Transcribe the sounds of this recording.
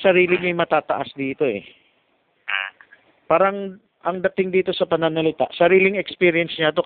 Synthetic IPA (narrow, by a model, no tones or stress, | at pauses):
sɐɾiːlɪɲɐjmɐt̪aːt̪ɐ̰ʔasd̪iːt̪o̞ɛ̰ | paːɾɐŋ | ʔɐŋd̪ɐt̪ɪŋd̪iːt̪o̞sɐpɐnanɐlɪt̪aʔsɐɾiːlɪŋɛkspiːɾɪjɛnsɲɐt̪o̞